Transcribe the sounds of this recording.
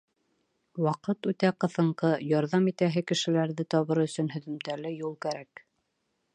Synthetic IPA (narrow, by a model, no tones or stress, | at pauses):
wɑqɤt̪ʉt̪æqɤ̆θɤ̆ɴqɤjɑɾðɑmit̪æɦɘkɘ̆ʃɘ̆læɾðɘt̪ɒβɤɾɵ̆sɵnɦɵ̆ðɵ̆mt̪ælɘjulˠkæɾæk